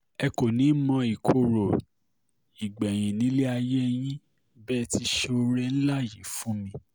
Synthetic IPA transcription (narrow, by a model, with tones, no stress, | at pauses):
ɛ˧ko˨nĩ˨˦mɔ̃˧i˨kʰo˧˨ɾo˨ | i˨ɡ͡bɛ˨j̃ĩ˨nĩ˨˦le˦a˧jɛ˦˧j̃ĩ˦ | bɛ˦˧ti˧ʃe˧o˧ɾe˧n̩˦la˦˨ji˨˦fũ˨˦mĩ˧˦